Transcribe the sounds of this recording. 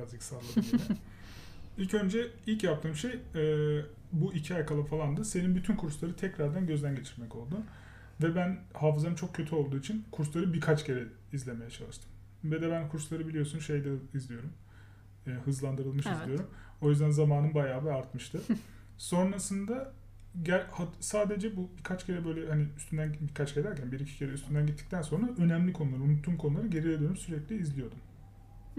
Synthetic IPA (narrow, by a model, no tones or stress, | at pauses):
aiksalˠaii | ilʲcø̞nd͡ʒɛilʲcjap̚t̪ʰɯːmʃejɛ | buicʰiajkʰalˠafalˠand̪ɯse̞ninbyt̪ʰynkʰuɾslˠaɾɯt̪ʰɛcɾaɾd̪ænɟø̞zd̪ænɟe̞t͡ʃʰiɾmɛco̞lˠd̪u | vɛbænhaːfɯzanɯnt͡ʃʰo̞k̚cʰːø̞t̪ʰyo̞lˠd̪uːit͡ʃʰinkʰuɾslˠaɾɯbiɾkʰat͡ʃɟe̞ɾɛ | izlʲe̞me̞jɛt͡ʃʰalˠɯʃt̪ʰɯ̥m | vɛd̪ɛbænkʰuɾslˠaɾɯbilʲijo̞sunʃe̞jd̪ɛizlʲijo̞ɾum | ɛhɯzlˠand̪ɯɾɯlˠmɯʃizlʲijo̞ɾum | o̞jyzd̪ænzamaːnɯnbajaːbɛaɾt̪mɯʃt̪ʰɯ | so̞nɾasɯnd̪a | ɟæɾhasaːd̪e̞d͡ʒɛbubikʰat͡ʃɟʰe̞ɾɛbø̞jlʲɛhaniyst̪ʰynd̪ænbiɾkʰat͡ʃɡɟeɾæɾcʰænbiɾicʰi̥cʰe̞ɾɛyst̪ʰynd̪ænɟit̪ːi̥t̪ʰænso̞nɾaʔø̞næmlʲikʰo̞nulˠaɾɯumut̪ʰːumkʰo̞nulˠaɾɯɟe̞ɾielʲyoɾumsyɾɛclʲiːzlʲijo̞ɾd̪um